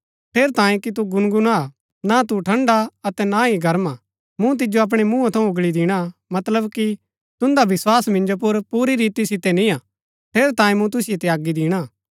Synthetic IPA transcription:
ʈʰeːɾt̪ãːẽkit̪̬uɡʊnɡʊna | nat̪uʈʰɐ̃ɳɖaɐt̪ɛnaiɡʱɐɾma | mũt̪̬ɪd͡ʒjoɐp̬ɽ̃emũːãt̪ʰɐ̃ũʊɡɭid̪ɪɽ̃amɐt̪ləbki | t̪ʊ̃nd̪aʋɪswaːsmɪ̃nd͡ʒop̬ʊɾpuːɾiɾiːt̪isɪt̪ɛnĩaː | pʰeːɾt̪ãːĩmũt̪̬ʊsɪjet̪ɛaːɡːid̪ɪːɽ̃a

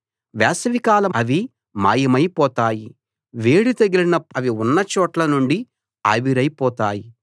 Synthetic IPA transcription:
ʋɛːsɐʋikaːlɐɐʋi | ma̰ːjɐmɐjpɔːt̪aːji | ʋeːɽit̪ɐɡilinɐɐʋiunːɐt͡ʃɔːʈlɐnuɳɖi | ɐ̰ʋiɾɐjpɔːt̪aːji

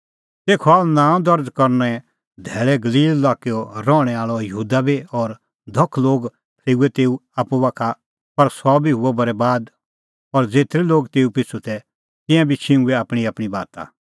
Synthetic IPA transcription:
t̪eːkʰɔaːlnãːɔ̃d̪ɐɾd͡zkɐɾnɛ | d̪ʱɛːɭɛɡɐliːlːaːkeɔɾɔːɽ̃ɛaːɭɔjəɦuːd̪abiɔːɾ | d̪ʱɐkʰːloːɡ | p̪ʰleːuɛt̪eːuaːpuʋaːkʰa | pɐɾsɔbʱiɦʊɛbɐɾɛbaːd̪ | ɔːɾd͡zeːt̪ɾiloːɡt̪eːupɪt͡sʰut̪ʰɛ | t̪ɪ̃jãbʱit͡ʃʰɪ̃uɛaːpɽ̃iaːpɽ̃ibaːt̪a̰

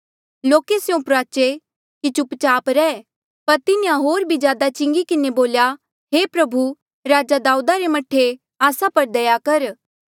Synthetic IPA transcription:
loːkesjõpɾaːt͡ʃe | kit͡ʃʊpt͡ʃaːpɾɛː | pɐɾt̪ɪnĩjãɦoːɾbʱizjaːd̪at͡ʃɪ̃ŋɡikɪneboːlja | ɦeːpɾɐbʱu | ɾaːd͡ʒad̪aːud̪aɾemɐʈʰːe | aːsapɐɾd̪ɐjakɐɾ

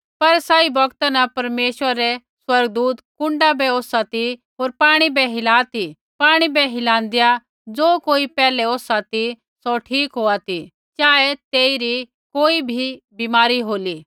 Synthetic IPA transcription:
pɐɾsaːibɐɡt̪anɐpɐɾmeːʃwəɾːɛ | swɐɾɡd̪uːt̪kʊ̃ɳɖabɛoːsat̪iɦoːɾpaːɽ̃ibɛɦɪlaːt̪i | paːɽ̃ibɛɦɪlãːnd̪ija | d͡zoːkoːipɛːlɛoːsat̪i | soʈʰiːkɦoːat̪i | t͡ʃaːet̪eːiɾi | koːibʱi | biːmaːɾiɦoːliː

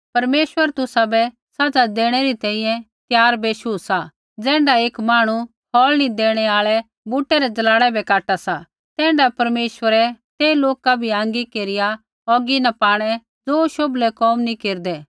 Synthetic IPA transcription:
pɐɾmeːʃwəɾt̪ʊsabɛ | sad͡zad̪eːɽ̃ɛɾit̪ɛ̃ːĩjɛ̃ | t̪jaːɾbeːʃuːsa | d͡zɛ̃ːɳɖaeːkmaːɽ̃u | hɔːlnĩd̪eːɽ̃ɛaːɭɛ | buʈːɛɾɛd͡zɐlaːɽ̃ɛbɛkaːʈasa | t̪ɛ̃ːɳɖapɐɾmeːʃwəɾɛt̪eːiloːkabʱiãːŋɡikeːɾɪja | ɦɔːɡinapaːɽ̃ɛ | d͡zoːʃoblɛkɔːmnĩkeːɾd̪ɛ

